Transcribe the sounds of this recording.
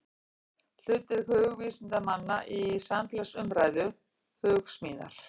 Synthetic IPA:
l̥ʏːt̪ɪɾ̥hœːɣviːsɪnt̪amanːaʔisamp̪lɛsʏmɾaːjðʏ | hʏːɣsmiːna̰ɾ̥

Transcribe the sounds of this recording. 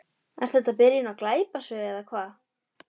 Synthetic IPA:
ɛnθɛht̪apɪɾjɪnaklaːjpasʏɛðakʰvaːð

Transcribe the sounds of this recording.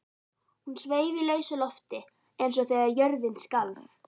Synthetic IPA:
hunsveːjvileːɥsʏlɔft̪ɪ | ejns̬ɔθejðaɾjœɾðɪnskalv

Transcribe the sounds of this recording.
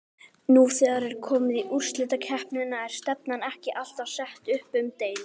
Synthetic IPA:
nuθɛːðaɾɛɾ̥kʰɔːmɪðiʔur̥st̪lɪːt̪acʰɛhpnɪnːaɛɾ̥st̪ɛp̚nanɛhcɪʔal̥t̪awsɛht̪ʏhpʏmt̪eːj

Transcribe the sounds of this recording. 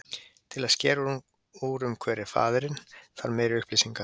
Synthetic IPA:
t̪ʰɪlaðscɛːɾ | uːɾʏmkʰvɛːɾɪfa̰ːðɪɾɪnfaɾmɛːjɾʏhpliːsiŋka

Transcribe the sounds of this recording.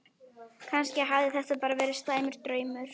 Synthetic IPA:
kʰanscɪɦavðɪθɛht̪apaːɾavɛːɾɪðst̪aːjmʏɾ̥t̪ɾœːɥmʏɾ̥

